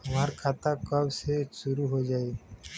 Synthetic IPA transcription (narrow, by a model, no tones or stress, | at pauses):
həmaːɾkʰaːt̪akəbseʃʊɾuɦod͡ʒaːeː